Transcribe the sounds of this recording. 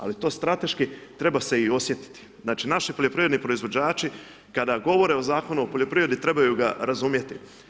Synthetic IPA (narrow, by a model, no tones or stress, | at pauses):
a̰lit̪o̞ːst̪ɾat̪e̞ʃkit̪ɾe̞base̞io̞sjet̪i̥t̪i̥znaːt͡ʃinaʃipoʎʲo̞pɾivenipɾo̞izʋo̞d͡ʑaːt͡ʃi | kad̪aɡo̞ʋo̞ɾe̞o̞zaːko̞nuopoʎʲo̞pɾio̞d̪it̪ɾe̞bajuɡaɾazumje̞t̪i